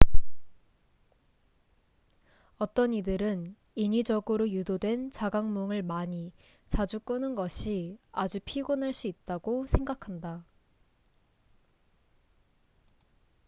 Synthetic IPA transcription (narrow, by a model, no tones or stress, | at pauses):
ʌt͈ʌnidɯɾɯn | iɲid͡ʑʌɡɯɾojudodwe̞nt͡ɕaɡaŋmoŋɯɭmaɲi | t͡ɕad͡ʑuk͈onɯnɡʌɕʰiad͡ʑupʰiɡonaɭs͈uit̚t͈aɡosʰe̞ŋɡakʰanda